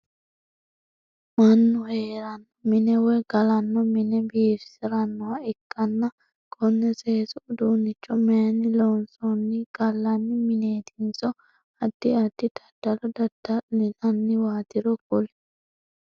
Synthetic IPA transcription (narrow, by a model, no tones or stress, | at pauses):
mɐnːʊheːɾɐn | mɪnɛwɔjɡɐlɐnːɔmɪnɛbiːɾsɪɾɐnːɔwɐɪkʼːɐnːɐ | ɡɔnːɛseːsʊʊd̪uːnːɪt͡ʃːɔmɛɐnːɪloːnsɔnːɪɡ̥ɐlːɐnːɪmɪne̞ːt̪ɪnzɔ | ɐd̪̥ːɪɐd̪̥ːɪt̪ʰɐ̥d̪̥ɐlɔd̪ɐd̪̥ɐlɪnɐnːɪwaːt̪ɪɾɔkʊl